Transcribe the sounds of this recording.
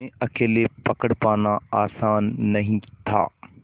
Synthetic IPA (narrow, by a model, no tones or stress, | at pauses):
ẽɐkeːlepɐkəɽ̃paːnãaːsaːnːɐɦĩt̪ʰa̰ː